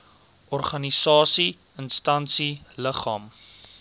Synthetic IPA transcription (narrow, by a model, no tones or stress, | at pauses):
ɔrχɐnisɑːsi | ənstɐnsiləχɑːm